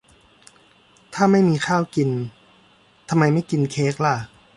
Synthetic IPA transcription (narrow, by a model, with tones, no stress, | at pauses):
t̪ʰaː˥˩ma˥˩jmiː˧kʰaː˥˩wki˧n | t̪ʰa˧mːa˧jma˥˩jki˧nkʰeː˦˥k̚la˧˩